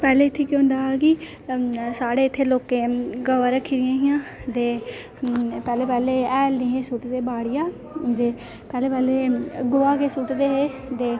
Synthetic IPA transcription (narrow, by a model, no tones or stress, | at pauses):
pɛːleːɪt̪ʰːeːkjõnd̪aːkɪ | saːɽeːɪt̪ʰːeːloːkẽːɡəʋəɾəkʰːiɾɪjãːɦɪjãːt̪eː | pɛːleːpɛːleːɛːlnĩːɦeːsʊʈd̪eːbaːɽɪjaː | d̪eː | pɛːleːpɛːleːɡoːaːkesʊʈd̪eːɦeː | t̪eː